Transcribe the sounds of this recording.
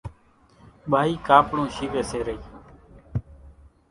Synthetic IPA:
ɓʱaːiːkaːpɽõːʃiːʋeːseːɾəiː

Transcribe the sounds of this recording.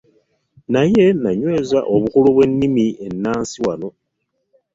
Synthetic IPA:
naje̞naɲwe̞ːzaʔo̞βukuluβwe̞nːimie̞nːaːnsiwano̞

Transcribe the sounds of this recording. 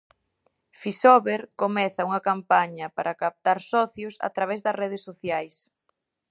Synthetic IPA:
fisɔβeɾkomɛθɐuŋɐkampaɲɐpaɾʔɐkap̚t̪aɾsɔθjʊsa̰t̪ɾaβ̞ɛzðɐsreð̞esːoθjajs

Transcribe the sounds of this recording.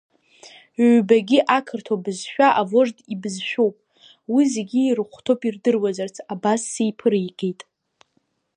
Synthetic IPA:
baɡʲiʔakʰɨrtʰabɨzʃᶣaʔavo̞ʐdibɨzʃᶣowpʼ | wizeɡʲiːrɨχʷtʰowpʼirdɨrwazart͡sʰabasːejpʰɨɾijɡʼejtʼ

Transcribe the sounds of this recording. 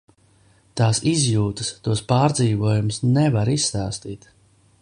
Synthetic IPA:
t̪aːsizjuːt̪ɨst̪uɔspaːɾd̪ziːvuɔjumʊsnɛvaɾisːaːst̪iːt̪

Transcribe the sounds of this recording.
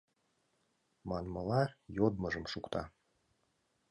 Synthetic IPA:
mɑnmɤlˠɑjod̪mɤʒɤ̆mʃukt̪ɑ

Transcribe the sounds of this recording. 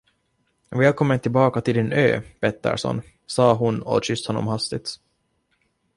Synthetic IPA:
vɛːlkʰɔmːənt̪ʰɪlbɑːkat̪ʰɪld̪ɪnø̰ːb̥ɛt̪ːə̰ɾʂɔ̰n | sɑːɦʊnɔ̰ɕʏst̪hɔnːɔ̰mhast̪ɪt̪

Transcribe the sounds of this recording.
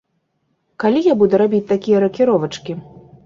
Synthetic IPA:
kalʲijabud̪ɛɾabʲit͡sʲt̪akʲijɐɾɐkʲiɾɔvɐt͡ʂkʲi

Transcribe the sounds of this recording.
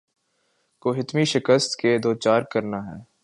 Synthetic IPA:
koːɦɪt̪miʃɪkəst̪ked̪oːt͡ʃaːɾkɐɾnaɦɛː

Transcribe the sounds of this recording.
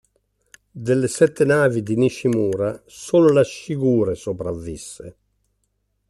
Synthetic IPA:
d̪elːesɛt̪ːenaːvid̪iniʃːimuːɾasoːlolaʃiɡuːɾesopɾavːisːḛ

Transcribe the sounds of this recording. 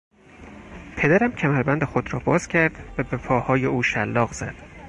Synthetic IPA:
pʰe̞d̪æɾæmcʰæmæɾbænd̪exod̪ɾɒːbɒːz̥cʲʰæɾd̪̥væbe̞pʰɒːhɒːjeuːʃælːɒːɣz̥æ̰d̪̥

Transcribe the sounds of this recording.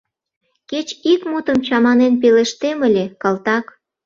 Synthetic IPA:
ket͡ɕikmut̪əmt͡ɕɑmɑnenp̬eleʃt̪eməlʲekɑlt̪ɑk

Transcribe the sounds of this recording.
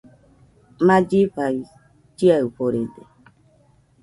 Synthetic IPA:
mad͡ʒiɸai | d͡ʒiaɯɸoɾede

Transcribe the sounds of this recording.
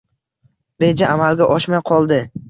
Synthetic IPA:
ɾe̞d͡ʒaamalɡʲaʔɒʃmajqʰɒlˠd̪ɪ

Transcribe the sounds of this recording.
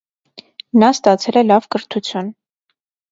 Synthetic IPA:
nɑst̪ɑt͡sʰɛlɛlɑvkəɾt̪ʰut͡sʰjun

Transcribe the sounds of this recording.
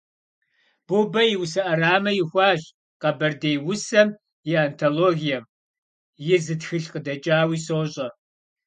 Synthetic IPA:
b̥ubɐjɪwsɐʔɐɾaːmɐjɪxʷɑːɕ | qɐbɐrdejwʊsɐm | jɪantʰoloːɣijɐm | jɪzɨtxɨɬqədɐt͡ʃʼaːwiːsoːɕʼɐ

